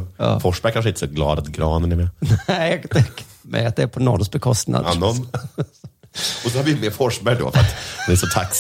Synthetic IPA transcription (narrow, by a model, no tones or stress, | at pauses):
ɑ̰ːfɔʂbækʰanʂ̬ɪnt̪əsɔɡlɑ̰ːd̪at̪ɡɾɑːnənɛɾmɛnd̪ɛkʰfmɛ̰at̪̚d̪ɛːɾpʰɔnɔɾsk̚bɛkʰɔst̪na̰d̪nːɔn | ɔsɔhaɾvɪmefɔʂbɛɖo̰ːfœɾa̰t̪dɛnɛʂɔt̪ʰaks